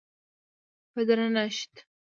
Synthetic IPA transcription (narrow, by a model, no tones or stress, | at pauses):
pəd̪ɾanaʃt̪